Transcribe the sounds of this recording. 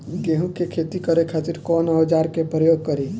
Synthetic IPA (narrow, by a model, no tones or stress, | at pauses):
ɡeɦũkekʰeːt̪ikəɾekʰat̪iɾkɔːnəʋd͡ʒaːɾkepɾəjoːɡ̚kəɾi